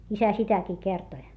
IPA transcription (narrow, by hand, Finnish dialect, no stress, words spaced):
isæ sitækiː kertoĭ